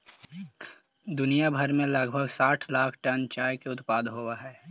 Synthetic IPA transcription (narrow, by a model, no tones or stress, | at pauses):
d̪ʊnijabʱəɾmẽlɐɡbʱəɡsaːʈʰlaːkʰʈənt͡ʃaːjkeʊt̪paːd̪ɦoːwaɦɛː